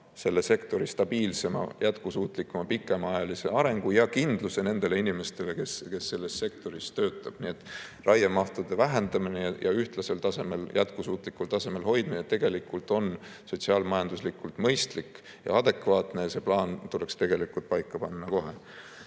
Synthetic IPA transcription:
se̞lːe̞se̞kt̪o̞ɾist̪ɑbiːlse̞mɑ̰jʔæt̪kusuːt̪ˑlikːˑumɑpikːˑe̞mɑɑjɑlise̞̰ɑɾe̞ŋɡ̥ujɑkind̪̥luse̞ne̞nd̪̥e̞le̞inime̞st̪e̞le̞ke̞ske̞sːe̞lːe̞st̪se̞k̚t̪o̞ɾist̪øːt̪ːˑɑb̥nie̞t̪ːˑrʔɑjɑmɑht̪ud̪̥e̞væɦend̪ɑminejɑ̰yht̪lɑse̞lt̪ɑse̞meljæt̪kusuːt̪ˑlikːult̪ɑse̞me̞lho̞jd̪̥̚minet̪ːe̞ɡ̥e̞likːult̪ˑo̞n | so̞t̪ʲsiɑːlmɑjɑnd̪̥uslikːˑult̪ˑmɤjst̪likː | jɑ̰ɑd̪e̞kvɑːt̪ne̞se̞plɑːnt̪ule̞kst̪e̞ɡ̥e̞likːult̪̚pɑjkˑːɑpɑnːɑko̞ɦe̞̰

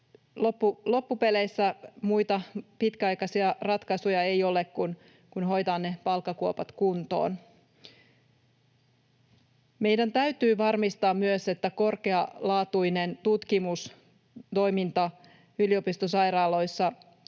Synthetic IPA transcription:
lopːulo̞pːupe̞lejsːæmujt̪ɑpit̪kæɑjkɑsiɑrɑt̪kɑsujɑe̞jo̞le̞kkun | kunɦo̞jt̪ɑːnːe̞pɑlkːɑkuopɑt̪kunt̪o̞̰ːn | me̞jdænt̪æyt̪yːʋɑrmist̪ɑːmmyøse̞t̪ːæko̞rkeɑlɑːt̪ujne̞nt̪ut̪kimus | t̪o̞jmint̪ɑ | ylio̞pist̪osɑjɾɑːlo̞jsːɑ

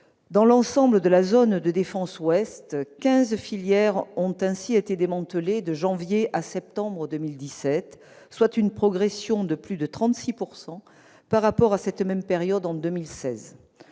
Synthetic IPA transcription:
d̪ɑ̃lɑ̃sɑ̃bləd̪əlazond̪əd̪efɑ̃swɛst̪kɛ̃zfiljɛʁɔ̃t̪ɛ̃siet̪ed̪emɑ̃t̪əled̪əʒɑ̃vjeʔasɛp̚t̪ɑ̃bʁəd̪əmild̪isɛt̪ | swat̪ynpχɔɡʁesjɔ̃d̪əplyd̪ət̪χɑ̃t̪sipuʁsɑ̃ | paʁːapɔʁasɛt̪mɛmpeʁjɔd̪ɑ̃d̪əmilsɛ̰z

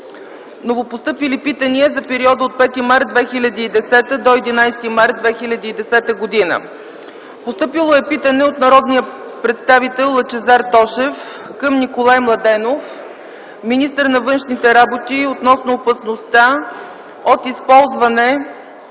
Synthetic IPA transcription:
novopost̪ɤpilipit̪əniəzɐpɛɾiɔd̪əot̪̚pɛt̪imaɾd̪̚d̪vɛxilʲəd̪iːd̪ɛsɛt̪əd̪oɛd̪inajst̪imaɾt̪̚d̪vɛxilʲɐd̪iːd̪ɛsɛt̪əɡod̪inə̰ | post̪ɤpilˠoɛpit̪ənɛot̪nɐɾɔd̪nijə | pɾɛt̪st̪avit̪ɛlˠːət͡ʃɛzaɾt̪ɔʃɛf | kəmnikolˠajmlˠɐd̪ɛnof | minist̪əɾnɐvɤnʃnit̪ɛɾabot̪iot̪nɔsnoːpəsnost̪a | ot̪ispɔlˠzvɐnɛ

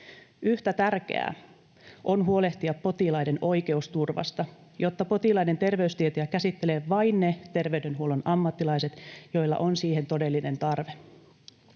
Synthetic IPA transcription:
yht̪æt̪ærk̟ḛæ̰ː | ʔo̞nɦuo̞le̞ht̪iɑppo̞t̪ilɑjdeno̞jke̞ust̪urʋɑ̰st̪ɑ | jot̪ːɑpo̞t̪ilɑjne̞nt̪e̞rʋe̞yst̪iet̪iækæsit̪ːe̞leːʋɑinnet̪e̞rʋeyde̞nɦuo̞lonɑmːɑt̪ːilɑjse̞t̪jo̞ilːɑ̰ʔo̞nsiːɦe̞nt̪o̞de̞lːine̞nt̪ɑrʋe

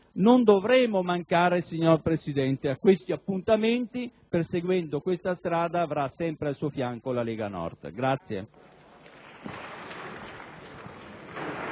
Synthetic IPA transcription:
nond̪ovɾɛːmomaŋkaːɾesiɲːorpɾesid̪ɛnt̪eakːwest̪iapːunt̪ament̪iperseɡwɛnd̪okwest̪ast̪ɾaːd̪aːvɾasːɛmpɾealsuofjaŋkolalɛːɡanɔ̰rt̪ɡɾat̪sːjḛ

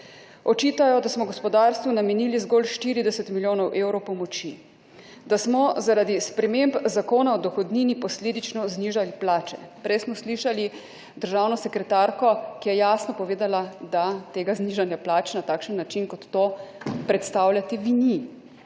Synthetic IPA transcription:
ɔt͡ʃiːt̪ajɔd̪asmɔɡɔspɔd̪aːɾst̪ʋunamɛniːlizɡolʃt̪iɾid̪ɛsɛt̪miljoːnɔwʔewɾɔwpɔmɔt͡ʃi | d̪asmɔzaɾaːd̪ispɾɛmembzakoːnaɔd̪ɔxɔd̪ninipɔsleːd̪it͡ʃnɔzniːʒaliplaːt͡ʃɛ̰pɾɛjsmɔsliʃali | d̪əɾʒaːwnɔsɛkɾɛt̪aːɾkɔkijɛjaːsnɔpɔʋeːd̪alad̪at̪eːɡazniːʒanjaplaːt͡ʃɛnat̪aːkʃənːat͡ʃinkɔt̪ːoːpɾɛt̪st̪aːwlʲjat̪ɛʋini

